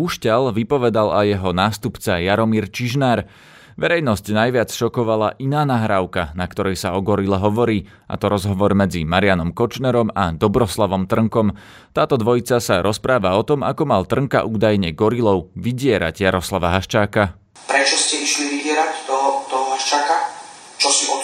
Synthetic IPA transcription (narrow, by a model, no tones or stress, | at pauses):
uːʃcalʋipɔʋɛd̪alajɛɦɔnaːst̪upt͡sajaɾɔmiːɾt͡ʃiʒnaːɾ | ʋɛɾɛjnɔscnajʋɪat͡sʃɔkɔʋala̰ʔinaːnaɦɾaːʊkanakt̪ɔɾɛjsaɔɡɔɾilɛɦɔʋɔɾiː | ʔa̰t̪ɔɾɔzɦɔʋɔɾmɛd͡zimaɾɪanɔmkɔt͡ʃnɛɾɔmad̪ɔbɾɔslaʋɔmt̪r̩ŋkɔm | t̪aːt̪ɔd̪ʋɔjit͡sasaɾʔɔspɾaːʋaɔt̪ɔmakɔmalt̪r̩ŋka̰ʔuːd̪ajɲɛɡɔɾilɔʊʋiɟɪɛɾa̰ɟjaɾɔslaʋaɦaʃt͡ʃaːka | pɾɛt͡ʃɔscɛiʃliʋiɟɪɛɾact̪ɔɦɔt̪ɔɦɔɦaʃt͡ʃaːka | t͡ʃɔsiɔ